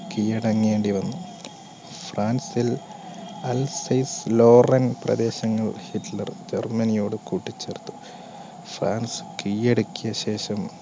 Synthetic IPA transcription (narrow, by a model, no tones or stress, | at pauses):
kijɐɽɐŋːeːɳɖiʋɐnːu | fraːnsil | ɐlsɐjslo̞ːrɐnprɐ̰d̪e̞ːɕɐŋːɐɭhitlɐrd͡ʑermɐnijo̞ːɽɨkuːʈːit͡ɕːert̪ːu̥ | fraːnsɨ̥kijeɽukʲːijɐɕe̞ːɕɐm